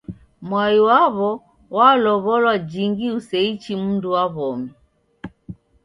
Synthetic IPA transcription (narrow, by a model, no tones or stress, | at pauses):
mwajiwaβɔ | walɔβɔlwad͡ʒiŋɡiusɛit͡ʃimunduwaβɔmi